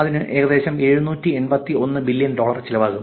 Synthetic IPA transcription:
ɐðinɨʔe̞ːɣɐðe̞ːɕɐme̞ːɻunuːtːie̞nbɐt̪ːio̞nːɨbilːijɐnɖo̞ːɭɐrt͡ɕilɐʋaːɣumː

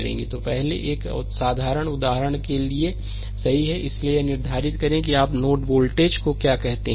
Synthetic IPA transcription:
ɾḛ̃ːŋɡit̪opɛɦlḛʔeːksaːd̪ʱaːɾəɽ̃ʊd̪aːɦəɾəɽ̃kelie | sɐɦiɦɛʔɪsliejenɪɾd̪ʱaːɾɪt̪kɐɾẽkiaːpnoːʈboːlʈeːd͡ʒkokjaːkɛɦt̪eɦ

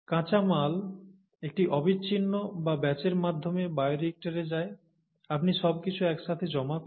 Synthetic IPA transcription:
kãt͡ɕamal | ek̚ʈiʔɔbit͡ɕːɕʰinːobabɛt͡ɕeɾmad̪ʱːomebaeɾek̚ʈaɾed͡ʑae | apniʃɔbkit͡ɕʰuɛkʃat̪ʰed͡ʑɔmak

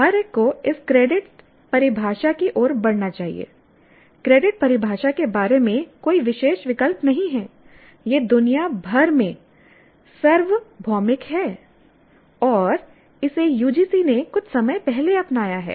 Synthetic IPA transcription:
ɦɐɾekːoɪskɾeːɖɪʈ | pɐɾɪbʱaːʃakiʔoːɾbɐɽnat͡ʃaːɦḭḛː | kɾeːɖɪʈ̚pɐɾɪbʱaːʃakebaːɾemẽkoːiʋɪʃeːʃʋɪkəlpnɐɦĩɦɛː | jeːd̪ʊnijabʱɐɾmẽ | sɐɾʋbʱɔːmɪkɦɛː | ɔːɾ | ɪsejuːd͡ʒiːsinekʊt͡ʃʰsɐməjpɛɦleɐpnaːjaɦɛ̰ː

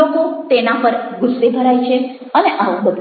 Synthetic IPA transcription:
okot̪enapəɾɡʊsːebʱəɾajt͡ʃʰe | əneʔaʋõd̪əb

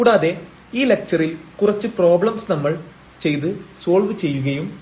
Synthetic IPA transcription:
kuːɽaːðe̞ | iːle̞k̚t͡ɕɐrilkurɐt͡ɕːɨpro̞ːbɭɐmsnɐmːɐɭ | t͡ɕe̞jt̪ɨso̞ːlʋɨt͡ɕe̞jːuɣɐjum

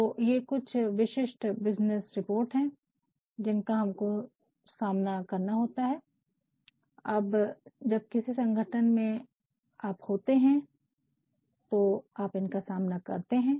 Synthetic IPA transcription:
t̪ojekʊt͡ʃʰʋɪʃɪʃʈbɪznesɾɪpoːɾʈɦɛ̃ | d͡ʒɪnkaɦɐmko | saːmnakɐɾnaɦoːt̪aɦɛː | ɐbd͡ʒɐb̚kɪsisɐ̃ŋɡʱəʈʰənmẽ | aːphoːt̪eɦɛ̃ | t̪oaːpɪnkasaːmnakɐ̰ɾt̪eɦɛ̃ː

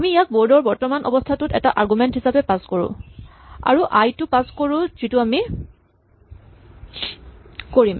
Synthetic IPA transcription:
amiijak̚boɹdɔɹbɔɹtɔmanʔɔ̰bɔstʰatʊtɛtaʔaɹɡumɛntɦisapɛpaskoɹʊ̰̃ | a̰ɹuʔajtʊpaskoɹʊ̃zitʊami | koɹim

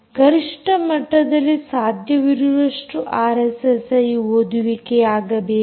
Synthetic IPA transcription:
ɡɐɾiʂʈɐmɐʈːɐd̪ɐlːisaːd̪ʱjɐʋiɾuʋɐʂʈuʔaːɾesesɐjɦoːd̪uʋikeaːɡɐbeː

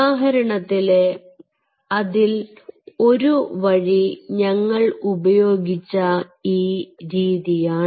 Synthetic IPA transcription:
aːɦɐɾɐɳɐt̪ːile | ɐðilo̞ɾuʋɐɻiɲɐŋːɐɭubɐjo̞ːɡit͡ɕːɐiːɾiːðijaːɳ

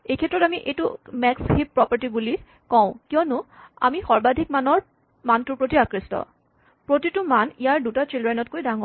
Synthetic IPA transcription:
ejkʰɛtːɹɔtamiʔejtʊmɛkshippːɹɔpaɹtibuli | kɔ̃ʊ̃kijɔnʊa̰mixɔɹbad̪ʱik̚manɔɹ | mantʊpɹotiakɹistɔ̰ | pɹotitʊmanijaɹdutat͡ʃelɹajnɔt̚kojdaŋɔ

